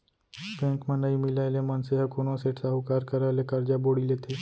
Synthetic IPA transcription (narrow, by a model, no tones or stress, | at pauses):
pẽːŋkmãnɐimɪlaːlemɐnseɦɐkoːnõseːʈʰsaɦukaːɾkɐɾalekɐɾd͡ʒaboːɽilet̪ʰeː